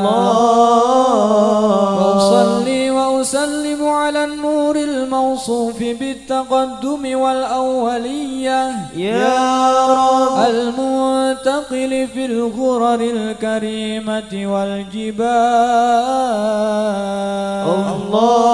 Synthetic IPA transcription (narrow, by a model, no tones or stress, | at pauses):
waʔʊsˤɑlːiːwaʔʊsalːɪmʊʕalaːnːuːɾɪlmawsˤuːfɪbɪt̪ːaqɑd̪ːʊmɪwalʔawːalɪjːaja | ʔalmʊnt̪aqɪlɪfilɣʊɾɑɾɪlkaɾiːmaɪwald͡ʒɪbaː